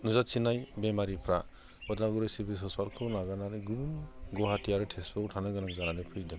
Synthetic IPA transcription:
nuzatt͡ʃʰinajbemaɾipʰɾa | ɔdlaɡuɾɯjsibisɔspalkʰɯnaɡanaɾɯɡunɡɔɦatʰijaɾɯtʰespʰɔtʰanɯjɡanaŋzananɯpʰɯjdɯŋ

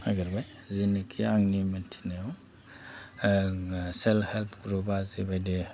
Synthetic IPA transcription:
aɡiɾbaj | zinikʰiaŋnimɯntʰi̥naɔ | selhelpʰɡɾubazibajdi

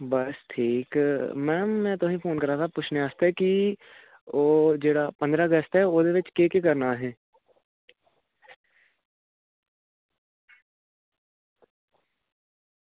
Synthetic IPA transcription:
bəsʈʰiːkmɛːmːɛ̃ːt̪oɦĩpʰoːnkəɾaːt̪ʰapʊt͡ʃʰneəst̪ɦɛki | oːd͡ʒeːɽapə̃nd̪ɾaəɡəst̪ɦɛoːd̪eʋɪt͡ʃkekekɐɾnaɦɛː

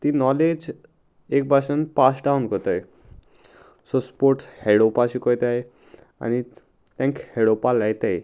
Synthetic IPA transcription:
t̪inɔled͡ʑ | ek̚baʃanpasɖawnkɔt̪aj | sospoɾʈshɛɽopaʃikojt̪aj | a̰ni | t̪ɛŋkhɛɽopalːajt̪aj

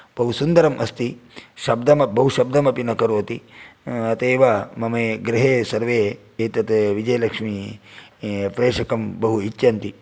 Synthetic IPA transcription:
b̥ɐɦusund̪ɐɾɐmʔɐst̪iʃɐb̚d̪ɐmɐbɐɦuʃɐb̚d̪ɐmɐpinɐkɐɾoːt̪i | ɐt̪eːʋamɐmeːɡɾiɦeːsɐɾʋeː | eːt̪ɐt̪ʋid͡ʒɐjɐlɐkʂmi | pɾeːʂɐkɐmbɐɦuit͡ʃːjɐnt̪i

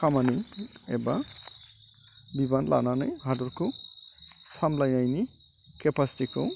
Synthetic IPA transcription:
kamaniɛ̰ba | bibanla̰nanɯjɦadɔɾkʰo | samlajnajni | kɛpasi̥tikʰɔ̰w

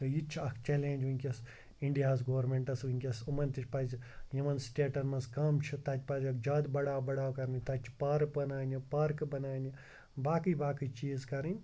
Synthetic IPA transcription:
t̪ɐjit͡ʃʰɐkʰt͡ʃeleːnʲd͡ʒʋuŋʲkʲɐs | iɳɖijaːzɡoːɾmẽɳʈɐsʋuŋʲkʲɐsumɐnʲt̪it͡ʃʰʲpɐzʲjɐmɐnsʈeːʈɐnmɐskɐmt͡ʃʰut̪ɐt͡ʃʲpazʲɐkd͡ʒaːd̪bɐɽaːbɐɽaːwkɐɾnit̪ɐt͡ʃʰpaɾkbɐnaːnipɐɾkbɐnaːni | baːkɨjbaːkit͡ʃiːzkɐɾinʲ

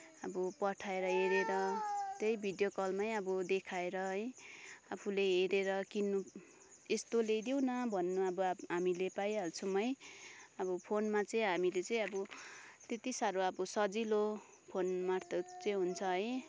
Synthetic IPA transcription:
ʌbʌpʌʈʰaeɾʌɦeɾeɾʌt̪jʌjbʱid̪jokʌlmaj̃ʌbʌd̪ekʰaeɾʌɦʌjapʰuleɦeɾeɾʌkinːu | est̪oled̪jow̃nʌbʱʌnːuʌbʌɦamilepajɦʌlt͡sʰumʌj̃ʌbʌpʰonmat͡sʌĩɦamilet͡sʌj̃ʌbʌt̪et̪isaɾoʌbʌsʌd͡zilo | pʰonmart̪ʰʌt͡sʌĩɦunt͡sʰʌɦʌj

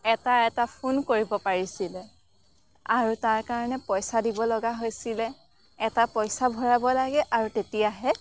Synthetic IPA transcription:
ɛtaɛtapʰunkoɹibɔpaɹisilɛ | aɹutaɹkaɹɔnɛpɔjsadibɔlɔɡaɦojsilɛ | ɛtapɔjsabʱɔɹabɔlaɡɛʔaɹutetijaɦɛ

